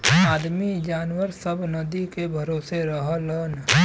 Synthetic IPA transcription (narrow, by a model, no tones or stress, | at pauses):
aːd̪mid͡ʒaːnwəɾsəbnəd̪ikebʱɐɾoːseɾəɦlən